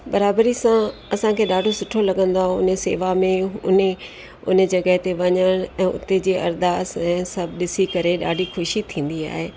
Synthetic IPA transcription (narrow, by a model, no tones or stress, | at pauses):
bɐɾaːbɾisãɐsãkʰeːɗaːɖʱosʊʈʰolɐɠə̃nd̪aːɦoʊnsḛːʋamẽʊ̰ne | ʊ̰nə̆d͡ʑɐɡəɦt̪eʋɐɲəɽ̃ɛ̃ːʊ̰t̪ed͡ʑiːʔɐ̰ɾd̪aːsɛ̃ːsɐbʱɗɪsikɐɾeɗa̰ːɖʱixʊʃit̪ʰĩːnd̪ia̰ːɦeː